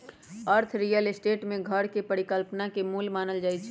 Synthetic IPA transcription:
əɾt̪ʰɾijəlesʈeːʈmẽɡʱəɾkepəɾikəlpnakemuːlmaːnəld͡ʒaːjt͡ʃʰɛ

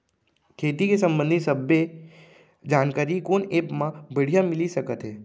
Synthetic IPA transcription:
kʰeːt̪ikesɐ̃mbə̃nd̪ʱisɐbːe | d͡ʒaːnkaːɾikoːneːpmãbəɽ̤ijamɪlisɐkət̪ɦɛː

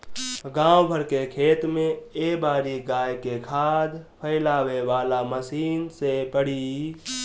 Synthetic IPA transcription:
ɡãːwbʱəɾkekʰeːt̪mẽebaːɾiɡaːjkekʰaːd̪pʰəɪlaːweʋaːlaməsiːnsepəɽi

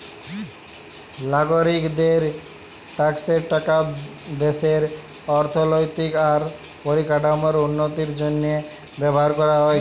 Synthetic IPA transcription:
laɡoɾikd̪eɾ | ʈakseɾʈaka | d̪eseɾ | ɔɾt̪ʰɔlojt̪ikaɾ | poɾikaʈamɔɾunːot̪iɾd͡ʒonːe | bɛbɔɦaɾkɔɾaɦɔj

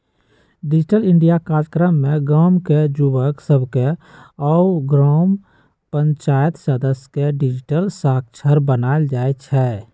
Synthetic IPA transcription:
ɖɪd͡ʒʈəlɪɳɖijakaːɾəkɾəmːẽɡɔːmked͡ʒubəksəbʱkeɔːɡɾɔːm | pə̃ɲt͡ʃaːjət̪səd̪əsjkeɖɪd͡ʒɪʈəlsaːk̚t͡ʃʰəɾbənaːld͡ʒaːet͡ʃʰɛː

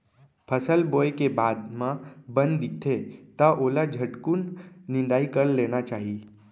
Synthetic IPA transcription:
pʰəsəlboːekebaːd̪mãbə̃nd̪d̪ɪk̚t̪ʰet̪aʔoːlad͡ʒʱəʈkunːɪ̃nd̪aːikəɾleːnat͡ʃaːɦi

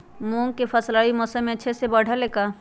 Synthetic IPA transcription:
mõːŋ̚kepʰəslaːimɔːsə̃mẽətːʃʰesebəɽ̤ʱaleka

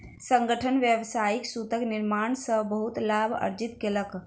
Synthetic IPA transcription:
sə̃ŋɡəʈʰənʋjəʋsaiksut̪əkniɾmaɳsəbəɦut̪labʱə̰ɾd͡ʒit̪kelək

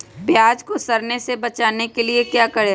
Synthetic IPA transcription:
pjaːd͡ʒkosɐɾnesebɐt͡ʃaːnekeliekjaːkɐɽe

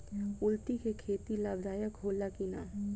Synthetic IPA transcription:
ʊlt̪ikekʰeːt̪ilaːbd̪aːjəkɦoːlːakɪna̰ː

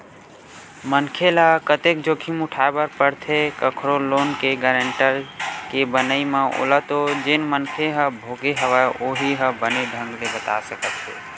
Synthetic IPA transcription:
mənkʰelakət̪ek̚d͡ʒokʰimʊʈʰaebəɾpəɾt̪ʰekəkʰɾoloːnkeɡəɾəɳʈəɾkebənəimãʔo̰lət̪od͡ʒenmənkʰeɦə̃bʱoɡeɦəʋaoɦiɦə̃bəneɖʱə̃ŋɡlebət̪a̰səkət̪ɦe

